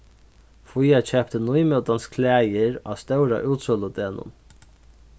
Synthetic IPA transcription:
fujat͡ɕʰɛp̚t̪ənujmœwt̪anskʰlæːjɪɾa̰ːst̪œwɾa̰ʔuːt̪sɔlʊd̪eːnʊ̰n

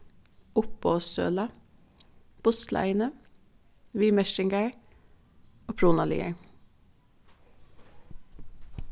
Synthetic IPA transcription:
ʊpoːsø̰ːlɑ | b̥ʊslʔæ̰ɪnə | ʋiːmɛʃɪŋɡæɹ | oːpʰɹuːnɑlḭːə̰ɹ

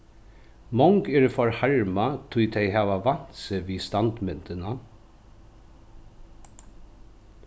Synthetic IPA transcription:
mɔŋkɛɾfɔɹhaɹmat̪ʰʊjt̪ʰɛɪɦaːʋaʋan̥t̪səʋiːst̪ant̪mɪnt̪əna

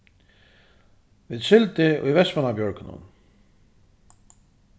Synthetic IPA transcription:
viːd̪ʃɪlt̪ɪʔʊ̰jvɛspanabjɔɹkɪnʊ̰n

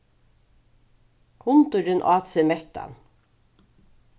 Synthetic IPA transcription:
kʰʊnt̪ʊɾɪnʔaːt̪semɛht̪a̰n

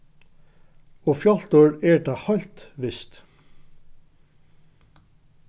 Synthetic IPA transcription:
ɔfjɔl̥t̪əɹɛɹt̪aːhœɥl̥t̪ʋɪst̪

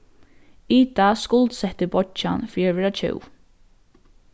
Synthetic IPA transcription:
it̪askʊlt̪sɛht̪əbɔt͡ʃa̰nfiːɾaʋɛːɾat͡ʃʰɪ̰w

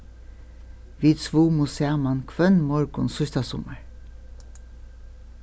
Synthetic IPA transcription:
ʋiːsʋuːmʊseamɑnkʰʋœnmɔɹɡʊ̰nsʏst̪asɔməɹ

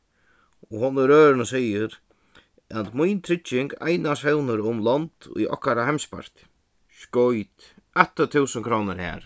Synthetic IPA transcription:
ɔɦɔnːɪɾøːɾɪnəsɛjɪɾ | at̪mujnt̪ʰɾɪt͡ʃːɪŋka̰jnashɛwnəɾʊmlɔnt̪ṵjʔɔ̰hkaɾahajmspa̰ɾ̥t̪ | skɔjt̪ | ɛht̪ːət̪ʰuːsəŋkʰɾoːwnəɾhɛ̰ːɾ̥

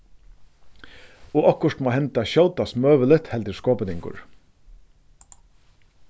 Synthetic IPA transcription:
ɔʔɔkːʊʂt̪mɔːhɛnt̪aɕɔwt̪asmøːʋɪlɪt̪hɛlt̪ɪɾskoːpɪnɪŋkʊ̰ɹ

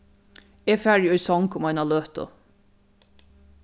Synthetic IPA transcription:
eːfæɹjɔjsɔŋkʊmajnaløːht̪ʊ̰

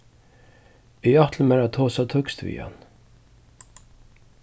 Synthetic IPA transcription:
ɪat̪ʰl̩mɛɾat̪ʰoːsat̪ʰʊkst̪vḭːha̰n

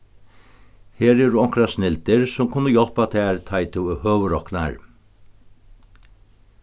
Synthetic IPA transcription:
heːɾɛɾuɔŋ̥kɾasnɪlt̪ɪɾsʊmkʰʊnːəjɔl̥pat̪ʰaːɾt̪ʰajt̪ʰɪwɪhøːʋəɾɔkna̰ɹ

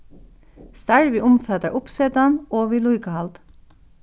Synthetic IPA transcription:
st̪æɹʋiːʔʊmfɑt̪əʔʊpseːd̪ɑnoːʋiːluʏɡəhɑld̪

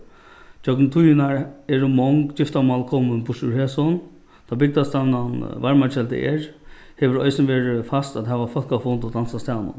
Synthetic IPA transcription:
t͡ɕœknt̪ʰujɪnaɹɛɾʊmɔŋɡt͡ɕɪft̪amalkʰɔmənbʊʂuɹheːsɔn | t̪ʰaːbɪk̚d̪ast̪ananʋaɹmat͡ʃɛlt̪ə̰ʔɛ̰ːɹ | heːʋəɾɔjsnʋeːɹfast̪at̪ɦɛːʋafɔl̥kafɔnt̪ɔd̪ansast̪aːnʊ̰n

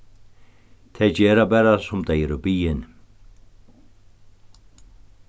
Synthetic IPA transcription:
t̪ʰɛd͡ʑeːɾabɛɾasʊmd̪ɛjɾobiːɪn

